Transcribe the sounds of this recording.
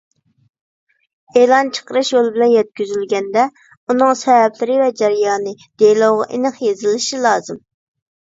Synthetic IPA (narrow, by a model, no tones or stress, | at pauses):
eːlˠɑnt͡ʃʰə̥qəɾɨʃjolˠbɪlɛnjɛt̪̚kʲyzylɡʲɛnd̪ɛ | unɨŋsɛvɛplɪɾɪvɛd͡ʒɛɾjɑːnɨ | d̪̥elˠowʁɑʔinɨχjezɪlɪʃilˠɑːzɨm